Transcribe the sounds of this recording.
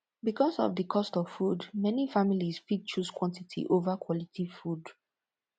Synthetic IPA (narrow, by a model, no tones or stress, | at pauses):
bikɔsɔ̰vdəkʰɔstɔv̥fudmɛnifamilisfit͡ʃuskwɔ̃ntitʰḭʔovakʰwɔlitʰifud